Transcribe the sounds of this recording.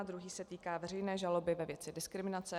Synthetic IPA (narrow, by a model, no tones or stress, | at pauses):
ad̪ɾuɦiːsɛt̪iːkaːvɛr̝ɛjnɛːʒalo̞bɪvɛvjɛt͡sɪdɪskɾɪmɪnat͡sɛ